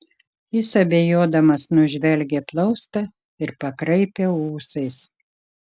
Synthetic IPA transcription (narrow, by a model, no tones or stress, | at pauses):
jɪsɐbʲejoːd̪ɐmɐsnʊʒʲʋʲɛlʲɡʲeːplˠɒʊst̪ɐ | ɪɾpɐkɾɐɪpʲeuːsɐɪs